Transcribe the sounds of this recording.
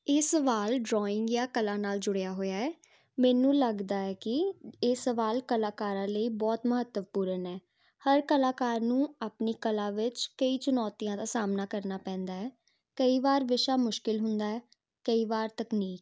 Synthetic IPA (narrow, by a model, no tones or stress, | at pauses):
eːsəʋaːlɖɾɔːɪŋɡjaːkəlãːnaːld͡ʒʊɽejaːɦoːjaːɛː | mɛːnũːləɡd̪aːɛːkɪeːsəʋaːlkəlaːkaːɾãːləiːbɔːt̪məɦət̪ːəmpuːɾənɛː | həɾkəlaːkaːɾnũːaːpniːkəlãːʋɪt͡ʃkəiːt͡ʃʊnɔːt̪ijãːd̪aːsaːmnaːkəɾnaːpɛ̃ːnd̪aːɛː | kəiːʋaːɾʋɪʃaːmʊʃkɪlɦʊnd̪aːɛː | kəiːʋaːɾt̪əkniːk